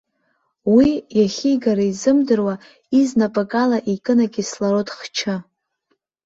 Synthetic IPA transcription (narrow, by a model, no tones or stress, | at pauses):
wijaχʲiɡaɾaizɨmdɨrwa | iznapʼakʼalaʔikʼɨnakʲʼislaɾotʼχt͡ʃʰa